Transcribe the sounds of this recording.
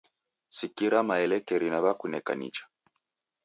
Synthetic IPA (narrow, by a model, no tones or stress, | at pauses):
sikiɾamaɛlɛkɛɾinaβakunɛka̰nḭt͡ʃḁ